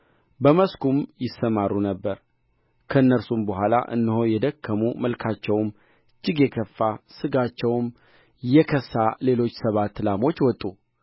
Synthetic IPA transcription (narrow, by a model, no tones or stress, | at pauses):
bəməskʰumjɪsːəmarːunəbːəɾ | kʰəɨnːəɾsumbəɦʷwʷala̰ʔɨ̰nːɨhojɛd̪əkʰːəmuməlkʰat͡ʃːɛwm | ɨd͡ʒːɪɡjɛkʰəfːasɨɡat͡ʃːɛwm | jɛkʰəsːale̞lo̞t͡ʃːsəβat̪ːɨlamo̞t͡ʃːwɔt̪ʼːu